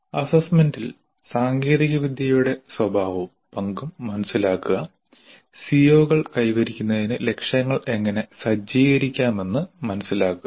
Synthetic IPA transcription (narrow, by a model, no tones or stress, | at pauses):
ɐsɐsmendil | saːŋɡe̞ːðiɣɐʋid̪ʱjɐjuɽe̞swɐbʱaːʋu | pɐŋɡumːɐnɐsːilaːkːuɣɐ | sijo̞ːɣɐɭkɐjʋɐɾikʲːunːɐðinɨle̞kʂjɐŋːɐɭe̞ŋːɐne̞sɐd͡ʑiːɣɐɾikʲːaːme̞nːɨmɐnɐsːilaːkːu